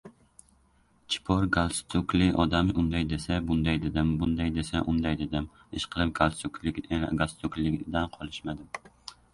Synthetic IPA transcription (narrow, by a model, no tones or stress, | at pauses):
t͡ʃʰi̥pʰoɾɡalˠst̪ʰʊklɪʔɒd̪amʔund̪ajd̪esɛbʊnd̪ajd̪ed̪ɪmbʊnd̪ajd̪esɛʔʊnd̪ajd̪ed̪ɪm | ɪʃqʰəlɨp̚ɡ̥alˠsuklɪɡast̪ʰʊklɪɡʲd̪anqʰɒlˠɪʃmad̪ɪm